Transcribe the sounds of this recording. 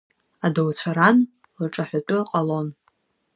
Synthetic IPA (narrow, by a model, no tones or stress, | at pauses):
adawt͡sʷʰaɾan | laʈ͡ʂʼaħʷatʷʼʊaqʼalo̞n